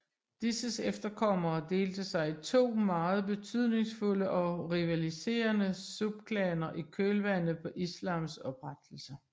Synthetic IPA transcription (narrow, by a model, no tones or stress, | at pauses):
d̥isəsefd̥ɐkʰɒ̽m̰ɐːd̥e̝̰ːld̥əsɑ̈ɪit͡sʰo̝̰ːmɑ̈ːð̞̩ˠb̥e̝t͡sʰyð̞̰ˠne̝ŋsfuləʔɒ̽ʁiʋælise̝̰ːɐnəsub̥̚kʰlɛːnɐʔikʰøːlʋæn̰ð̩ˠpʰɒ̽ʔislɑ̈ːmsɒ̽b̥ʁad̥l̩sɐ